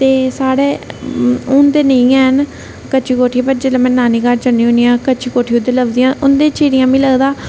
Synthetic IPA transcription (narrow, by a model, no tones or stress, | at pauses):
t̪eːsaːɽeː | ʊnd̪eːnəĩɛ̃ːɦən | kət͡ʃʰiːkoːʈʰieːpəɾd͡ʒeləmɛ̃ːnːaːniːkəɾt͡ʃəniːɦʊniːãːkət͡ʃʰiːkoːʈʰiːʊd̪eːləbd̪ijãːʔʊnd̪ẽːt͡ʃiːɽɪjãːmĩːləɡd̪aː